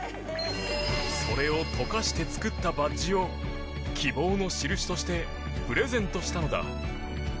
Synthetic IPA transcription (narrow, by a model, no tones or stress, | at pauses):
so̞ɾe̞o̞t̪ʰo̞kaɕi̥t̪e̞t͡sɨ̥kɯ̟t̪ːabaʑio̞ | kʲʰibo̞ːno̞ɕiɾɯ̟ɕi̥t̪o̞ɕi̥t̪e̞ | pɯ̟ɾe̞zẽ̞nt̪o̞ɕi̥t̪ano̞d̪a̰